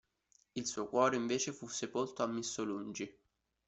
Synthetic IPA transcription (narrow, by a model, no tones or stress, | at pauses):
ilsuːokwɔːɾeiɱveːt͡ʃefusːepolt̪oamːisːolund͡ʒi